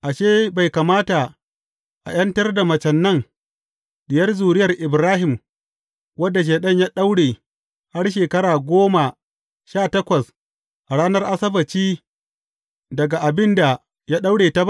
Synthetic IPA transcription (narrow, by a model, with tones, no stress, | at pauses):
ʔa˨ʃeː˦ba˨jka˨maː˦ta˨ | ʔa̰˨j̰ɐ˦ntɐ˦rda˨mɐ˨t͡ʃɛ˨nːɐ˦˨ŋ | ɗɪ˨jɐ˦rzuː˨ɾɪ˦jɐ˨rʔɪ˨bɾaː˦ɦɪ˨m | wɐ˦dːa˨ʃ̬eː˨ɗɐ˦ɲjaː˦ɗa˦wɽeː˨ | ha˦rʃeː˨kɐ˦ɽaː˨ɡʷoː˦ma˨ | ʃaː˦tɐ˦kʷɐ˨s | ʔa˨ɽaː˦nɐ˦rʔa˦sɐ˦bɐ˨t͡ʃiː˦ | dɐ˨ɡa˨ʔa˨bɪ˦nda˨ | ja˦ɗa˦wɽeː˨ta˦ba˦